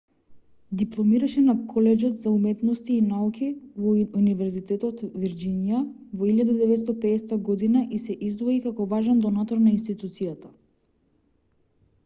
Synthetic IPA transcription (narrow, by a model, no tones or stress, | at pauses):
d̪iplˠɔmiɾaʃɛnakʰɔlɛd͡ʒɔt̪zaumɛt̪nɔst̪iːnaukʰivɔunivɛɾzit̪ɛt̪ɔt̪viɾd͡ʒinija | vɔilʎjad̪ad̪ɛvɛt̪st̪apɛːsɛt̪aɡɔd̪inaʔisɛʔizd̪vɔikakɔvaʒɛnd̪ɔnat̪ɔɾnainst̪it̪ut̪sijat̪ḁ